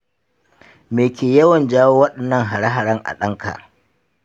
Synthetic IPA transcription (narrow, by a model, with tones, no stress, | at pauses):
meː˨kʲeː˨jɐ˦wɐ˨nd͡ʒaː˦woː˦wɐ˦ɗɐ˨nːɐ˦˨ŋɦa˨ɽa˦ɦa˨ɽɐ˦ŋʔa̰˨ɗɐ˦ŋkʰa̰˨ʔ